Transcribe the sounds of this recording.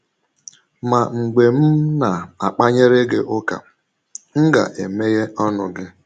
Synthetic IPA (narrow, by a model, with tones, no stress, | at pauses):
ma˨ŋ͡m̩˨ɡ͡be˨m̩˦na˨a˨k͡pa˦ɲe˦ɾe˦ɡe˦ʔʊ˦ka̰˨ | ŋ̩˦ɡa̰˨ʔe˨me˦je˦ɔ˦nʊ˨ɡɪ˦